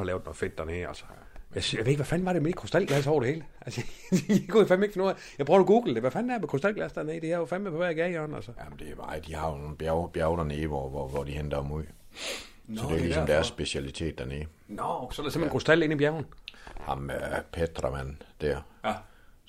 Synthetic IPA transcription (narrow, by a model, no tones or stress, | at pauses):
ɑlɛːʊd̥ˠnɔ̽ðˠfed̥ːæɐneːælsə̥ | jæsjaʋḛeɡ̥ʋæfænʋɑ̈ɾ̥emed̥kʰʁosd̥ælɡ̥læs̬ɒʊ̰ɾe̝he̝ːləʔælsə̥ɡ̥oifænmeɡ̥fɔnː | jɑ̈ɪb̥ʁoʊ̥ɡ̥uːɡ̥l̩d̥eʋæfænd̥æɐmekʰosd̥ælɡ̥læsd̥æne̝ːd̥ihæofænmepʰɒʋæɐɡ̥ɛɪɒnælsəjæmnd̥e̝mɑ̈ɪd̥ihɑ̈jo̝no̝ːn̩bjæʊb̥jæʊd̥ɐneːʋɒʋɒʋɒd̥ihend̥ɐhɑmuð̰ˠ | sɒd̥e̝ɐlisɒ̽md̥æɐsːb̥e̝siælit͡sʰe̝̰ːd̥æneːsɒ̽d̥esemhenkʰʁosd̥æl̰e̝nibjæʊn̩hɑ̈mpʰed̥ʁɑmæn̰d̥æɐ̰